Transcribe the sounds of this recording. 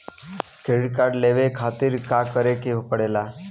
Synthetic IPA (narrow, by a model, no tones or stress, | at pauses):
kʰeɽkaɽleʋekʰat̪iːɾkakəɾekeɦupəɽela